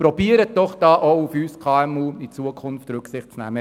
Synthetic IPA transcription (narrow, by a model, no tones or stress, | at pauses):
pɾɔb̥iəɾət̚d̥ɔχd̥ɑːʔoufyːskʰɑːɛmuːit͡suəkʰʊnftɾʉksɪχtt͡snæ̰mə